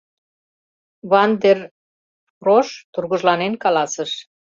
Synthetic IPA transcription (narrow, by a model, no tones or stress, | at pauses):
βɑnd̪er | proʃt̪urɣəʒlɑnenkɑlɑsəʃ